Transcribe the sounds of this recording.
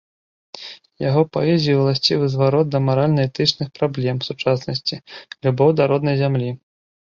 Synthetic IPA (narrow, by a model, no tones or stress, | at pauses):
jaɣɔpaɛzʲijuwlˠasʲt͡sʲivɨzvaɾɔt̪̚d̪ɐmaɾalʲnɐɛt̪ɨt͡ʂnɨxpɾablʲɛmsut͡ʂasnɐsʲt͡sʲilʲubɔwd̪ɐɾɔd̪nɐjzʲamlʲi